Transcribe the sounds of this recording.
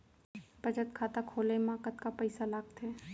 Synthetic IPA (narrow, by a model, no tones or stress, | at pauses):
pət͡ʃət̪kʰaːt̪akʰoːlemaːkət̪kapəɪsalaːɡ̚t̪ʰeː